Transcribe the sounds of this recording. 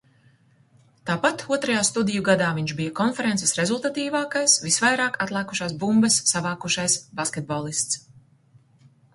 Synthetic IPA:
t̪aːpat̪uɔt̪ɾajaːst̪ud̪ijuɡad̪aːviɲʒbijɐkɔnfɛɾɛnsɛ̥sɾezulˠt̪at̪iːvaːkajsvisvajɾaːkat̪lˠaːku̥ʃaːsbumbɐsːavaːkuʃajsbaskʲet̪̚bɔːlˠist̪s

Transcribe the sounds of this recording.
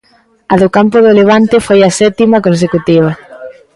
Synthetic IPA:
ɐðʊkampʊðoleβ̞ant̪efojɐsɛt̪imɐkõns̬ekut̪iβ̞ɐ

